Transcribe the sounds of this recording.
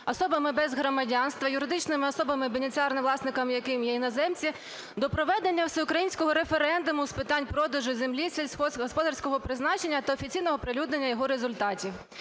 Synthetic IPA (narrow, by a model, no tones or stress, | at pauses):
ɔsɔbɐmɪbɛzɦɾɔmɐdʲɑnst̪ʋɐjʊɾɪd̪ɪt͡ʃnɪmɪɔsɔbɐmɪbenʲet͡sʲiɑrnɪʋlˠɑsnɪkɐmjɐkɪmjɛinɐzɛmt͡sʲi | d̪ɔpɾɔʋɛd̪enʲːɐwsɛʊkɾɐjinʲsʲkɔɦɔɾe̞feɾɛnd̪ʊmʊspɪt̪ɑnʲpɾɔd̪ɐʒʊzʲemlʲisʲesʲɔɦɔspɔd̪ɐrsʲkɔɦɔpɾɪznɑt͡ʃe̞nʲːɐt̪ɐɔfʲit͡sʲijnɔɦɔpɾɪlʲud̪nenʲːɐjɔɦɔɾezʊlʲt̪ɑtʲiw